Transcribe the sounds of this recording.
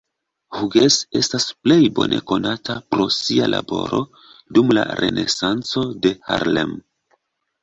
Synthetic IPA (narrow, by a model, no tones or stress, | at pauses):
huɡese̞stasple̞jbo̞nʔe̞ko̞natʰapɾo̞sialabo̞ɾo̞ | dumla̰ɾe̞̰nʔe̞sant͡so̞de̞ha̰ɾlem